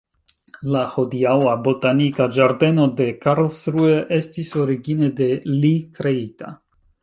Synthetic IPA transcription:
laho̞diawabo̞tanikad͡ʒaɾde̞no̞de̞kaɾlsɾueʔe̞stiso̞ɾiɡine̞de̞likɾe̞ita̰

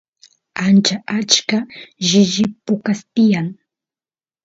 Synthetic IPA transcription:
ant͡ʃaʔat͡ʃkaʒɪʒɪpʊkast̪ɪjaŋ

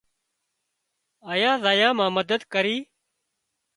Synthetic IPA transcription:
əːjãːzaːjãːmãːməd̪əd̪kəɾiː

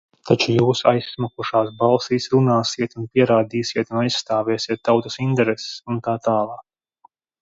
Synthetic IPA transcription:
t̪ʰat͡ʃujuːsa̰jsːmakuʃaːs̬bɑlˠsiːsɾunaːsiɛt̪unpiɛɾaːd̪iːsiɛt̪unajsːt̪aːvɛːsiɛt̪ːawt̪u̥sint̪ɛɾɛse̥sunt̪aːt̪aːlˠɑːk̚

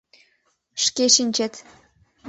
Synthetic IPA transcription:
ʃkeʃinʲt͡ɕet̪

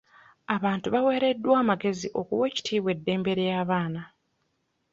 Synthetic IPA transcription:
aβaːntuβawe̞ːɾe̞dːwaːmaɡe̞ziʔo̞kuwe̞ːci̥tʰiːβwe̞dːe̞ːmbe̞ɾejaːβaːna

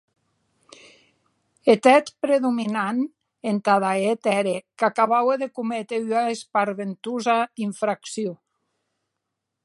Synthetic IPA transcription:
et̪ɛt̪pɾeðuminan | ent̪aðaet̪ɛɾekakaβaweðekumet̪eyaespaɾβent̪uzaiɱfɾaksjio

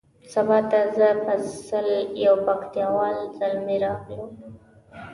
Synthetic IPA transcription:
sabɑt̪azəpəsəljawpakt̪jɑwɑlzalmeɾɑɣlum

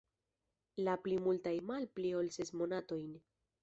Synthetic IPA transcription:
laplimultajmalpliolsesmo̞nato̞jn

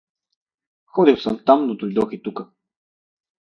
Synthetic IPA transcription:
xɔd̪iwsəmt̪amnud̪ulʲd̪ɔxit̪ukə

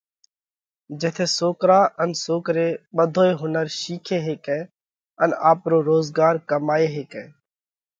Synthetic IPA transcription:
d͡ʒeːt̪ʰeːsoːkɾaːənsoːkɾeːɓəd̪ʱoːeːɦʊnəɾʃiːkʰeːɦeːkɛː | ənaːpɾoːɾoːzɡaːɾkəmaːeːɦeːkɛː

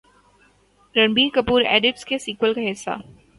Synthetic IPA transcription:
ɾɐ̃nbiːkɐpuːɾḛːɖɪʈskesiːkwəlkaɦɪsːa̰ː

